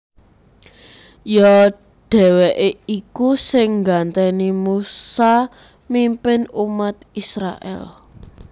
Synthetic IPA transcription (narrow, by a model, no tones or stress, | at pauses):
jɔ | ɖ̥ɛ̤wɛʔeikusɪŋɡant̪ɛnimusa | mimpɪnumat̪̚isɾa̰ʔɛ̰l